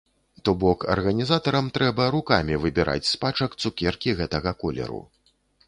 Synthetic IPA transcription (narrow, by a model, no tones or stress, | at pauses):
t̪ɔbɔkɐ̰rɣɐnʲizat̪ɐɾɐmt̪ɾɛbɐɾukamʲivɨbʲiɾʔa̰t͡sʲspat͡ʂɐkt̪sukʲɛrkʲiɣɛt̪ɐɣɐkɔlʲɛ̰ɾṵ